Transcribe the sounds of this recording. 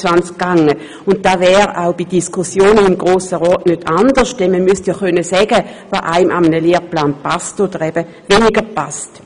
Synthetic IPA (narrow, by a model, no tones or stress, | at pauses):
ʋvant͡skːaŋə | ʊnt̚d̥aːvɛːʁaʊb̥id̥iskʰʊsjoːnəimɡʁoːsəʁɔːtnøtʰandəʁʃd̥ɛnməmystjaχœnəsɛːɡəvaːʔaɪmʔamənəleːʁplaːnpastod̥əʁɛb̥ə | veːniɡəpast